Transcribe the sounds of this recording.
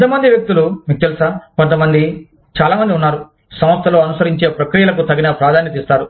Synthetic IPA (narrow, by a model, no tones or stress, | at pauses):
t̪ɐmɐnd̪iʋjɐk̚t̪ulumiːk̚t̪elusaːkɔnt̪̬ɐmɐnd̪i | t͡ʃaːlaːmɐnd̪iunːaːɾu | sɐ̃mɐst̪ʰɐlo̞ːɐnusɐɾiɲt͡ʃeːpɾɐkɾijɐlɐkut̪ɐɡinɐpɾaːd̪ʱaːnjɐt̪̬iːst̪aːɾu